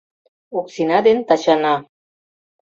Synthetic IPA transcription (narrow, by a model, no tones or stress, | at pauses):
uksinad̪ent̪aʃana